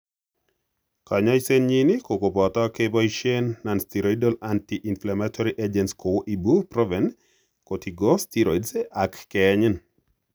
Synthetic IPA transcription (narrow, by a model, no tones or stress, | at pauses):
kaɲaisenɲinikokopɔtakebɔiʃjenːanstiɾɔjdɔlantiʔinflamatʰɔɾiʔed͡ʒɛnskoʔibuprɔvɛn | kotʰiɡɔstiɾɔdseʔakːɛɲən